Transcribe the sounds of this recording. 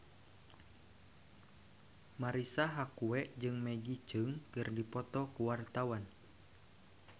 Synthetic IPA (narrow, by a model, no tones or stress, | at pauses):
maɾisaɦakuɛʔd͡ʒɨŋmɛɡit͡ʃɨŋkɨrdipɔt̪ɔkuwart̪awan